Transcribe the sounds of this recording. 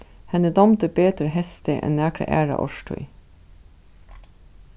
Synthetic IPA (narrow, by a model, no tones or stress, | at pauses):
hɛnəd̪ɑmt̪əbeːt̪ɾəhɛst̪əʔɛ̰nnæːkɾə̰ʔæ̰ːɹɑ̰ʔɔ̰ʃʈʰœ̰ʏ